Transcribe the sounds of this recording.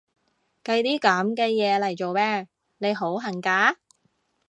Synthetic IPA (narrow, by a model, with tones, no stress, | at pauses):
kɐ˧jt̪iː˥kɐ˨˥mkɛː˧jɛː˨˧lɐ˨˩jt͡ʃo˨wmɛː˥ | ne˨˧jɦo˨˥wɦɐ˨˩ŋkaː˨˥